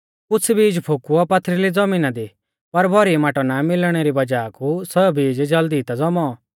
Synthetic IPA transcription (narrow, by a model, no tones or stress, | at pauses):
ʊt͡sʰbiːd͡ʒpʰokuɔpɐt̪ʰːɾilid͡zɐmiːnad̪i | pɐɾbʱɔɾimaːʈɔnamɪlɽ̃eɾibɐd͡ʒaːkʰusɐbʱiːd͡ʒd͡ʒɐld̪it̪ad͡zɔmɔ